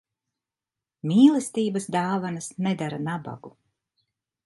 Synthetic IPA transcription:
mʲiːlˠɛst̪iːbɐsd̪aːvanɐsnɛd̪aɾanaba̰ɡu

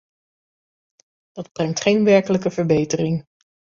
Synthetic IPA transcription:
d̥ɑdb̥rɛŋtχejnʋɛɹkələkəvəɹbejtərɪŋ

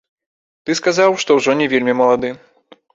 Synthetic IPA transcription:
t̪ɨskazawʂt̪ɔwʐɔnʲɛvʲelʲmʲimɐlˠad̪ɨ

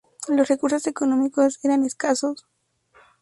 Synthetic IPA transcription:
losrekuɾso̞se̞konomikoseɾaneskasos

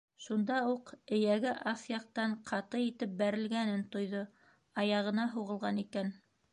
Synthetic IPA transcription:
ʃund̪ɑuqɘ̆jæɡɘʔɑθjɑq̚t̪ɑɴqʰɑt̪ɤjit̪ɘp̚bæɾɘ̆lɡænɘnt̪ŏjðo | ɑjɑʁɤ̆nɑɦuʁɤ̆lˠʁɑnikæn

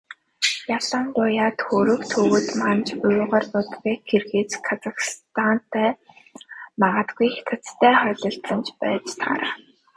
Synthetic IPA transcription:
jaɮə̆ŋɢʊjaːt̪xoɾɵ̆kt̪ʰɵwɵ̆t̪mant͡ɕʊjʊʁaːrp̪ʊt̪ɣeːkɡerxeːt͡skʰat͡saxst̪ʰan̥t̪ʰæː | maʁaːt̪ɡujxet̪ʰə̆t͡st̪ʰæːχœːɮɞ̆ɬt̪ɮə̆nt͡ɕpæːt͡ɕt̪ʰa̰ɾa

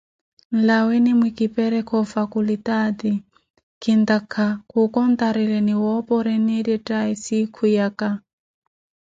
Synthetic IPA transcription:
n̩lawɛnimwikipɛɾɛkʰɔfakulit̪ad̪i | kʰind̪akʰakukɔnt̪aɾɛlɛniwɔpɔɾɛnidjɛtaisikʰujaka

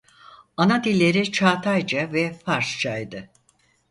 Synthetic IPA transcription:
anad̪ilʲːe̞ɾit͡ʃʰaːt̪ʰajd͡ʒavɛfaɾst͡ʃajd̪ɯ

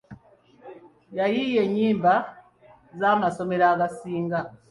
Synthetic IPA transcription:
jajije̞ɲːiːmba | zaːmaso̞me̞ɾaːɡasiːŋɡa

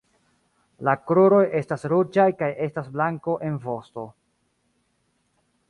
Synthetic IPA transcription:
lakɾoɾo̞je̞stasɾod͡ʒajkaje̞stasblaŋko̞ʔe̞nvo̞sto̞

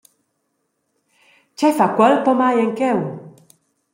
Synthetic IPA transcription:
t͡ʃajfakwɛlpɔmajeŋkɛw

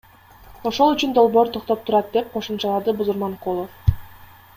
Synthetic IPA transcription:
o̞ʃo̞lˠyt͡ʃynd̪o̞lˠboːɾt̪ʰoqt̪o̞p̚t̪ʰuɾɑt̪̚d̪e̞p̚qʰo̞ʃumt͡ʃɑlˠɑd̪ɯbuzuɾmɑɴqolˠof

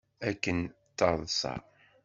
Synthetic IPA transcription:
ækːən | t̪ːɑðˤsɑ̰

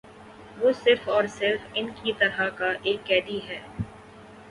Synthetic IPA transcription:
ʋoːsɪɾfɔːɾsɪɾfɪnkit̪ɐɾɦakaʔeːkːɛːd̪iɦɛː

